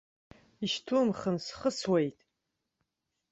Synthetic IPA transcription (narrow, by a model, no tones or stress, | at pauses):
iʃtʰumχəmsχəswejtʼ